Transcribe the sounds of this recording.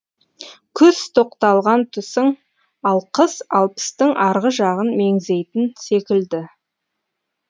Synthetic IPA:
kʲʰʏzt̪ʰo̞qt̪ɑlˠʁɑnt̪ʰʏsɪŋ | ɑlˠqʰəsɑlˠpə̥st̪əŋʔɑɾʁəʒɑʁənme̞ŋze̞jt̪ɪnse̞kʲɪld̪ɪ

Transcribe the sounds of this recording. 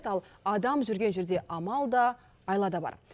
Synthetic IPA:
t̪ɑlˠɑd̪ɑmʒʏɾɡʲe̞nʒʏɾd̪e̞ʔɑmɑlˠd̪ɑː | jlˠɑd̪ɑbɑ̰ɾ

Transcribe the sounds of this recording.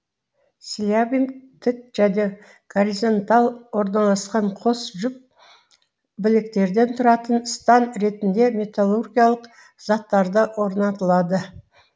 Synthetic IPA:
sʲilʲavʲint̪ʰɪt̪ʒ̥æne̞ | ɡ̥oɾizo̞nt̪ɑlˠwo̞ɾnɑlˠɑsqɑɴqʰo̞sʒʏp̚ | bɪlɪk̚t̪e̞ɾd̪e̞nt̪ʰʊɾɑt̪ənst̪ɑnɾe̞t̪ɪnd̪e̞mʲe̞t̪alˠorɡʲijalˠəq | z̥ɑt̪ːɑɾd̪əwo̞ɾnɑt̪əlˠɑd̪ə

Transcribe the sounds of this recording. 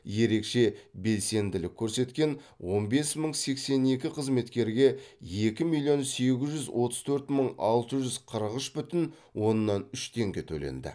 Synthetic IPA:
je̞ɾe̞kʃe̞be̞lse̞nd̪ɪlɪkʲʰːɵɾse̞t̪kʲe̞n | wʔo̞nbe̞sməɴse̞kse̞ne̞kʲɪqʰəzme̞t̪kʲe̞ɾɡʲe̞je̞kʲɪmilʲˠijo̞nse̞ɡʲɪzʒʏzwʔo̞t̪əz̥t̪ʰɵɾt̪məɴɑ̰lˠt̪əʒʏzqʰəɾəʁəʃbʏt̪ɪn | wo̞nːɑnʏʃt̪ʰe̞ŋɡʲe̞t̪ʰɵlḛnd̪ɪ̰

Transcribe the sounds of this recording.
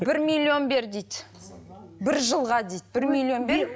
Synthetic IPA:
b̥ɪɾmʲijlʲːio̞nbe̞ɾd̪ejd̪ | bɪɾʒəlˠʁɑd̪ejd̪̚bɪɾmilʲˠio̞nbe

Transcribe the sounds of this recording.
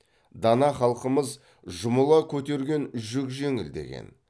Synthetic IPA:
d̪ɑnɑχɑlˠqəməz | ʒʊməlˠɑkʲʰɵt̪e̞ɾɡʲe̞nʒʏkʒe̞ŋɪ̰ld̪ḛɡʲḛn

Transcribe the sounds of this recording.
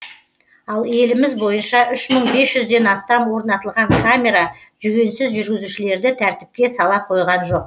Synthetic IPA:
ɑlˠje̞lɪmɪzbo̞jənʃɑʔʏʃməɴbe̞sʒ̥ʏzd̪e̞nɑst̪ɑmwo̞ɾnɑt̪əlˠʁɑŋkʰamʲe̞ɾɑ | ʒʏɡʲe̞nsɪzʒʏɾɡʲɪzuʃɪle̞ɾd̪ɪt̪ʰæɾt̪ɪ̥p̚kʲe̞sɑlˠɑqʰo̞jʁɑnʒo̞q̚

